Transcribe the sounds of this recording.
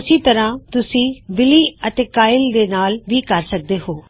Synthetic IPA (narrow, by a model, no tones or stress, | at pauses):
ʊsĩːt̪ɐɾãːt̪ʊsĩːʋɪliːət̪eːkaːɪld̪eːnaːlʋiːkəɾsək̚d̪eːɦoː